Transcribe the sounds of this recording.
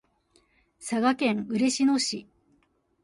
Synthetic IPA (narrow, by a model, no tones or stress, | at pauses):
saɡakẽ̞ŋɯ̟ɾe̞ɕino̞ɕi